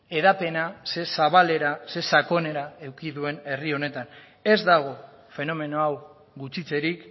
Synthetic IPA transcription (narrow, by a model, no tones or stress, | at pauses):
e̞ðape̞nase̞saβ̞ale̞ɾase̞sako̞ne̞ɾae̞wkiðue̞ne̞rio̞ne̞t̪an | e̞zd̪aɣ̞o̞ | fe̞no̞me̞no̞aw | ɣut͡sit͡se̞ɾik